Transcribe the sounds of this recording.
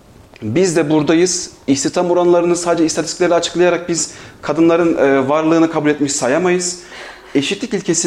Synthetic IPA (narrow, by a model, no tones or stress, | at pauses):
bizd̪ɛbuɾd̪ajɯz̥içt̪it̪ʰamuɾanlˠaɾɯnɯsaːd̪ed͡ʒɛist̪ʰat̪ʰi̥sclʲeɾʲiat͡ʃʰɯ̥klˠajaɾak̚biz̥kʰad̪ɯnlˠaɾɯnːvaɾlˠɯːnɯkʰabulʲɛt̪miʃsajamajɯz̥ | e̞ʃit̪lʲicilʲcʰe̞si